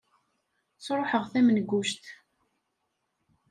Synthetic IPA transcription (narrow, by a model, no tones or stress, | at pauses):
t͡sːɾˤoħəʁθæmnɡːuʃt̪